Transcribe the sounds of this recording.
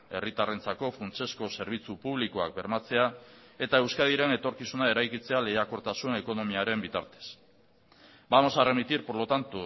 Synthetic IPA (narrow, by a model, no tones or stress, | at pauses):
e̞rit̪are̞nt͡sako̞funt͡ʃe̞sko̞se̞ɾβ̞it͡supuβ̞liko̞ak̚be̞ɾmat͡se̞ae̞t̪ae̞wskaðiɾe̞ne̞t̪o̞ɾkisunae̞ɾajkit͡se̞ale̞ako̞ɾt̪asune̞ko̞no̞miaɾe̞mbit̪a̰ɾt̪e̞̥s | bamo̞saremit̪iɾpo̞ɾlo̞t̪ant̪u